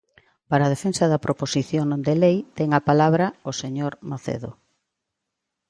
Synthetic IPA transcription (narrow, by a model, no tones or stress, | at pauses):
paɾað̞efensɐðɐpɾoposiθjoŋd̪elejt̪ɛŋɐpalaβɾɐoseɲoɾmaθḛðo